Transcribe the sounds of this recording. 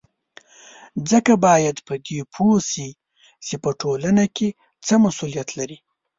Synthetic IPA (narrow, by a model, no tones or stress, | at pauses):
d͡zəkabɑjad̪pəd̪epʰosi | t͡ʃepəʈʰolanake | t͡səmasulijat̪laɾi